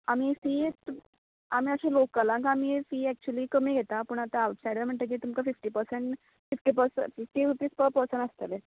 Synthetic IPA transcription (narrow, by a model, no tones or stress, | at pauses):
amiːfiːt̪ | amiːəɕẽlokːalãŋkamiːfiːɛk̚t͡ɕuəliːkəmiːɡʱet̪apəːɳ̃at̪aːwʈsajɖəm̤əɳt̪ək̬iːt̪umkafifʈiːpəɾseɳʈ | fifʈiːpəɾsə̰fifʈiuʈ̪ispəɾpəɾsəɳast̪əle